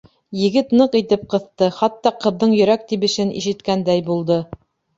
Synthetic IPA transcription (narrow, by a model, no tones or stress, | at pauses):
jɘ̆ɡɘt̪nɤqit̪ɘp̚qɤ̆θt̪ɤχɑt̪ːɑqɤ̆ððɤɴjɵ̆ɾæk̚t̪iβɘ̆ʃɘnʔḭʃɘ̆t̪kænd̪æjbulˠd̪ɤ